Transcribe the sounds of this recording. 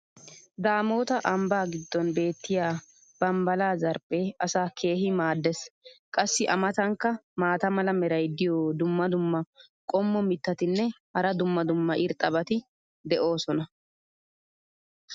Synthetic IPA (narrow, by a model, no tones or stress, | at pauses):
d̪aːmo̞ːt̪ɐʔɐmbaːɡɪd̪ːɔnbe̞ːt̪ːɪjaː | b̥ɐmbɐlaːzɐɾpʼːeːɐsaːkʰe̞ːɦɪmaːd̪ːɛskʼɐsːɪʔɐmɐt̪ɐŋkːɐmaːt̪ɐmɐlɐmɛɾɐjd̪ɪjoːd̪ʊmːɐd̪ʊmːɐ | kʼɔmːɔmɪt̪ːɐt̪ɪnːɛhɐɾɐd̪ʊmːɐd̪ʊmːɐʔɪɾt̪ʼːɐbɐt̪ɪ | d̪ɛʔo̞ːsɔnɐ